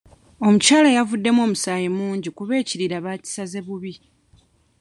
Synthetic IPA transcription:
o̞mucaːlajavudːe̞mo̞ːmusaːjemuːɲɟikuβe̞ːciɾiɾaβaːci̥saze̞βuβi

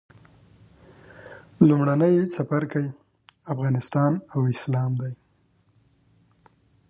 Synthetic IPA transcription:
lumɽanəjsafaɾkaj | afɣɑnɪst̪ɑnawɪslɑmd̪aj

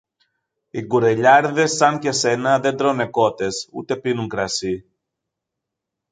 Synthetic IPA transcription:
iɡuɾe̞ʎɐɾðe̞sːɐŋce̞se̞nɐðe̞nd̪ɾo̞ne̞ko̞t̪e̞sṵt̪e̞pinuŋkɾɐsi

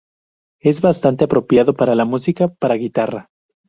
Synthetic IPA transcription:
e̞zβast̪ant̪eapɾo̞pjaðo̞paɾalamusikapaɾaɣit̪ara

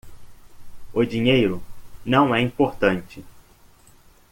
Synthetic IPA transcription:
ʊd͡ʒiɲejɾʊnɐ̃w̃ɛĩpoɾt̪ɐ̃nt͡ʃɪ

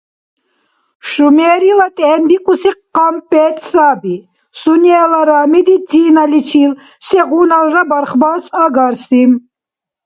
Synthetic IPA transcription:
ʃumɛːɾilat̪ʼɛːmbikʼusiqːampʼɛːt̪ʰʼsabi | suniɛlaɾaːmid̪it̪ʰiːnalit͡ʃʰil | sɛʁuːnalɾabaɾχbaːsaɡaɾsim

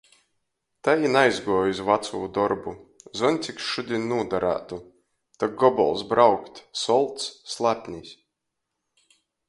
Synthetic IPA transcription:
t̪ajinajzɡuɔjuzvat̪suːd̪ɔɾbuzɔnʲt̪sʲiksʃud̪ʲinnuːd̪aɾa̰ːt̪u | t̪aɡ̚ɡɔbɔ̰lˠsbɾawkt̪ʲsɔlˠt̪sslˠapʲnʲisʲ

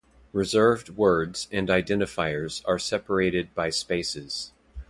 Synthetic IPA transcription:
ɹɨzɜ˞vd̚wɜ˞dz̥ɨ̃ndaɪdɛ̃ñɨfaɪə˞zə˞sɛpə˞eɪɾɨd̚baɪspeɪsɪz̥

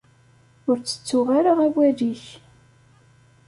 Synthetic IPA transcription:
ʊɾt͡sːə̥t͡sːʊʁaɾaʁæwæðiç

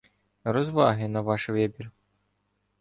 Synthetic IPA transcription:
ɾɔzʋɑɦɪnɐʋɑʃʋɛbʲir

